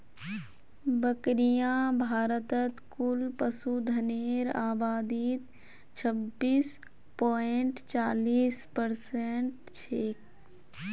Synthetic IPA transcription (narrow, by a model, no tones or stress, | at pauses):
bəkɾijãbʱaːɾət̪ət̪kʊlpəsud̪ʱəneːɾaːbaːd̪iːt̪ | t͡ʃʰəbːiːs | poːɪɳʈt͡ʃaːliːspəɾseɳʈ | t͡ʃʰeːk